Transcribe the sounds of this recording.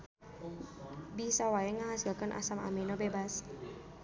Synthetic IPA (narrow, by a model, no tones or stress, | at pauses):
bisawaeŋaɦasakanʔa̰sama̰menobebas